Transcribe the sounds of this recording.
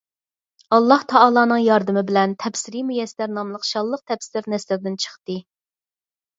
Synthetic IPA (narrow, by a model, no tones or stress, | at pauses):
ɑlˠːɑht̪ʰɑɑlˠɑːnɨŋjɑɾd̪ɨmɪbɪlɛnt̪ʰɛpsɪɾimujɛslæɾnɑmlˠəqʃɑlˠːəq̚t̪ʰɛpsɪɪɾnɛslɪɾd̪ɪnt͡ʃʰə̥χt̪ɨ